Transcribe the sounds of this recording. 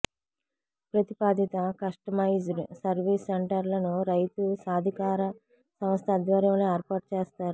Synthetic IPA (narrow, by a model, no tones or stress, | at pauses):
pɾɐt̪ipaːd̪ʱit̪ɐkɐʂʈɐmɐjd͡ʒɾsɐɾʋiːsːeɳʈɐɾlɐnuɾɐjt̪usaːd̪ʱikaːɾɐ | sɐmst̪ʰɐd̪ʋɐɾɐmleeːɾpaːʈ̚t͡ʃeːst̪aːɾu